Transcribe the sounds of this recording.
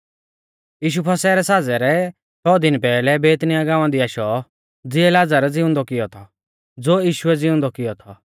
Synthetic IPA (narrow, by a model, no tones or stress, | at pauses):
jiːʃ̬upʰɐsɛɾɛsaːd͡zɛɾɛ | t͡ʃʰɔd̪ɪnpɛːlɛbeːt̪nijaɡãːʋ̃ãd̪iaːʃɔ | d͡zɪɛlaːd͡zaɾɛd͡zɪʊ̃nd̪ɔkɪjɔt̪ʰɔ | d͡zoːjiːʃuɛd͡zɪʊ̃nd̪ɔkɪjɔt̪ʰɔ